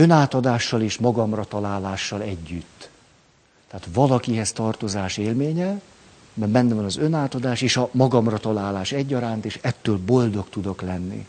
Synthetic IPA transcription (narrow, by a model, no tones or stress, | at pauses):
ø̞naːt̪ɒd̪aːʃːɒleːʃmɒɡɒmrɒt̪ɒlaːlaːʃːɒlɛɟːyt̪ː | ɛaːt̪ʋɒlɒkiɦɛst̪ɒrt̪o̞zaːʃeːlmeːɲɛ | mɛbɛnːɛvɒnɒzø̞naːt̪ɒd̪aːʃeːʃɒmɒɡɒmrɒt̪ɒlaːlaːʃɛɟːɒɾaːnt̪eːʃɛt̪ːøːlbo̞ld̪o̞kt̪ud̪o̞klɛnːḭ